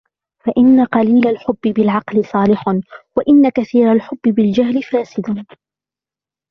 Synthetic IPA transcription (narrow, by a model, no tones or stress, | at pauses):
faʔɪnːaqɑliːlalħʊbːɪbɪlʕɑqlɪsˤɑːlɪħwaʔɪnːakaθiːɾalħʊbːɪbɪld͡ʒaɦlɪfaːsɪd̪